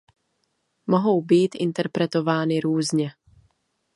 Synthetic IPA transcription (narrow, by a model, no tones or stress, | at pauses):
moɦo̞wbiːt̪ʔɪ̰nt̪ɛɾpɾɛt̪o̞vaːnɪɾuːzɲɛ